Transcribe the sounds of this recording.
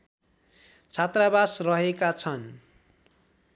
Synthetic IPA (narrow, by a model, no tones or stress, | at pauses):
t͡sʰat̪rabasrʌɦekat͡sʰʌn